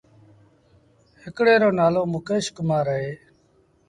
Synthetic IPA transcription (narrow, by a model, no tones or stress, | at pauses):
ɦɪkɽeːɾoːnaːloːmʊkeːʃkmãːɾəɦeː